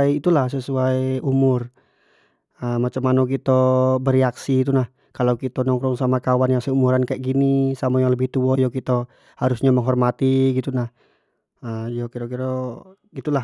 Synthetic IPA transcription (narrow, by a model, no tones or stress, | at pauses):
iit̪ulahsəsuaiumʊr | əmat͡ʃamːanɔk̬it̪ɔbəɾɛaksiːt̪unah | kalokit̪ɔnɔŋkɾɔŋsamakawanjaŋsɛumuɾankaɛʔ̚ɡinisamajaŋləbiht̪uɔjɔkit̪ɔ | haɾusɲaməŋɦɔrmat̪iɡit̪unah | əjokiɾɔk̬iɾɔ | ɡit̪ula